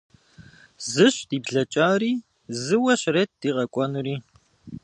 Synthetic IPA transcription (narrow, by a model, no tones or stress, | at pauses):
zɨɕd̥iːbɮɐt͡ʃʼaːriː | zɨwɐɕreːt̚d̥iːʁɐkʷʼɔnɨriː